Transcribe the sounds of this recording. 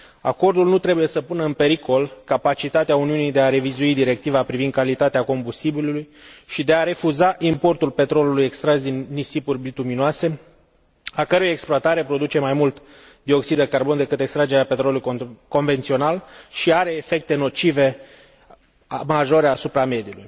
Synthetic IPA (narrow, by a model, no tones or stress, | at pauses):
a̰ko̞rd̪ulnut̪ɾe̞buje̞səpunəɨnpe̞ɾikʰo̞lkapat͡ʃit̪at̪eauniunijd̪e̞aɾe̞vizuid̪iɾe̞k̚t̪ivapɾivind̪kalit̪at̪eako̞mbust̪ibilulujʃid̪e̞aɾe̞fuzaʔimpo̞rt̪ulpe̞t̪ɾo̞luluje̞kst̪ɾazd̪inːisipurʲbit̪uminoase̞ | akəɾujeksploat̪aɾe̞pɾo̞d̪ut͡ʃe̞majmult̪ | d̪io̞ksid̪ekarbo̞nd̪e̞kɨt̪e̞kst̪ɾad͡ʒe̞ɾeape̞t̪ɾoluluko̞nve̞nt̪sio̞nalʃiaɾe̞ːfe̞k̚t̪e̞no̞t͡ʃive̞ | maʒo̞ɾeasupɾame̞d̪ijulṵj